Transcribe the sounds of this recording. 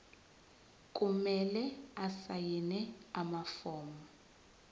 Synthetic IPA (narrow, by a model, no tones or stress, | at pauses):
kʼumɛlɛasajinɛamafɔːmɔ